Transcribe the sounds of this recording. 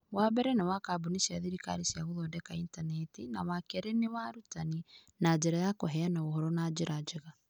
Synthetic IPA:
waβɛɾɛnewakaboniʃiaðiɾika̰ɾisiaɣoðɔːdɛkaintanɛtina̰wakeɾenewaɾutaninad͡ʒeɾajakoɦɛanaɣohɔɾɔnad͡ʒeɾad͡ʒeɣa

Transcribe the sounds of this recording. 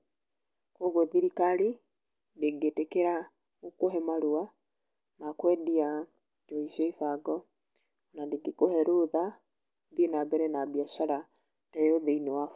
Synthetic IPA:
kwoɣwɔðiɾikaɾi | ndeɡetekeɾa | okoɦɛmaɾua | nakwɛːdia | d͡ʒɔiʃeifaɡɔ | nandeɡikohɛɾoða | ðienabɛɾɛnabiaʃaɾa | tajoðeinewaf

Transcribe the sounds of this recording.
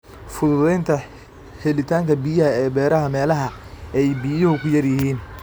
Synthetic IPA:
fʊðʊðɛjnt̪ʰɐ | hɛlɪt̪ʰaːŋkʰɐbijɐɦɐɛːbɛːɾɐɦɐmɛːlɐɦɐ | ɛjbijɐhʊkʰʊjɐrjɪɦiːn

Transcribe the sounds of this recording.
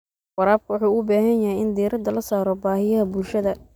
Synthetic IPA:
wɑɾaːb̚kʰɐwħuːʊbaːɦɐnjɐɦɛjɪnd̪iːɾɐd̪ɐlɐsaːɾɔbaːhɪjɐɦɐbulʃɐðɐ

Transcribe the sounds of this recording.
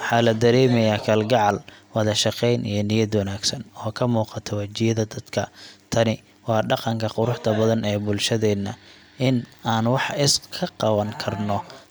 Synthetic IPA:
wɑħɑːlɐd̪ɐɾɛːmɛjaːkʰɐlɡɑʕɑlwɑðɐʃɑqɛjnḭjɞnɪjɐd̪wɐnaːɡsɐnɔːkʰɐmuːqɑt̪ʰɔwɐt͡ʃɪjɐðɐd̪ɐd̪̥kʰɐt̪ʰɐnɪ | wɑːɖɑqɑŋkʰɐqʊɾʊħt̪ʰɐbɐðɐnɛːbʊlʃɐðɛːnːɐ | ʔɪnaːnwɑħɪskʰɐqɑβɐŋkʰɐrnɔ

